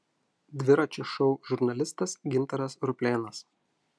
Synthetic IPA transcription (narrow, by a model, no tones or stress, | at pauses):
d̪ʲʋʲɪɾɐt͡ʃʲɛʃɒʊʒʊɾnɐlʲɪst̪ɐsɡʲɪnt̪ɐɾɐsɾʊpʲlʲeːnɐs